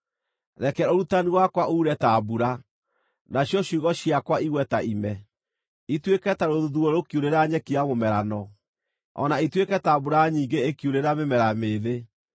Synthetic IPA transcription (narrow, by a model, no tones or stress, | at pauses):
ɾɛkɛoɾutaniwakwaʔuːɾɛtabuɾa | naɕjɔɕuɣɔɕjiakwaiɣwɛtaʔimɛ | itwekɛtaɾoðuðuoɾokjoɾeɾaɲɛkiamomɛɾanɔ | ɔ̰naitwekɛtabuɾaɲiːŋɡeekjuɾeɾamemɛɾameːðe